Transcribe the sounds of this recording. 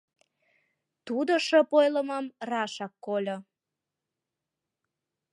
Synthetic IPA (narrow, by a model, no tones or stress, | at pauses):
t̪ud̪oʃəpojlə̆məmrɑʃɑkːolʲo